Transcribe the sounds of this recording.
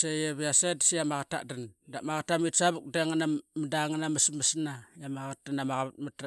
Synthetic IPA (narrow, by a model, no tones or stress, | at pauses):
sejeβjasedsijamaɣata̰dandamaɣatamitsaβuk̚deŋanamədaŋanaməsməsnajamaɣat̚danamaɣaβat̚mat